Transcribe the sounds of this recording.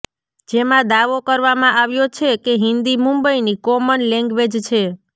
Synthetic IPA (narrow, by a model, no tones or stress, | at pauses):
d͡ʒemãd̪aʋokəɾʋamãʔaʋjot͡ʃʰekeɦɪnd̪imũmbəinikɔmənlɛ̃ŋɡʋed͡ʒt͡ʃʰe